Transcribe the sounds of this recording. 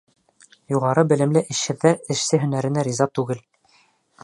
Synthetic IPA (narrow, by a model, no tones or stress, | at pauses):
juʁɑɾɤbɘ̆lɘ̆mlɘʔɘ̆ʃhɘ̆ðːæɾɘ̆ʃsɘɦɵ̆næɾɘ̆næɾʲizɑt̪ʉɡɘl